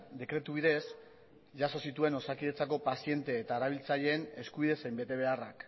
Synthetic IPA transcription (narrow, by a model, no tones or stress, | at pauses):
d̪e̞kɾe̞t̪uβiðe̞s | ʝaso̞sit̪ue̞no̞sakiðe̞t͡sako̞pasie̞nt̪e̞ːt̪aeɾaβ̞ilt͡saʎe̞ːne̞skuβiðe̞sejmbe̞t̪e̞β̞e̞arak